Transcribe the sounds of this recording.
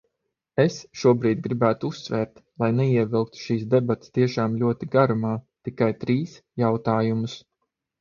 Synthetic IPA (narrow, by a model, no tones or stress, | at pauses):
esʃuɔbɾiːd̪̚ʲɡɾibæːt̪uusːvɛːɾt̪lˠajnɛiɛvilˠk̚t̪u̥ʃiːsd̪ɛbat̪ʲst̪iɛʃaːmlʲuɔt̪iɡaɾumaːt̪ikajt̪ɾiːsjawt̪aːjumʊs